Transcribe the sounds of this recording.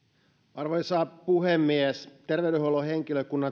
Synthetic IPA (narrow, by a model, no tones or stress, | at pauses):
ʔɑrʋojsɑːpuhemːiest̪erʋeydyholoheŋkiløkunːɑ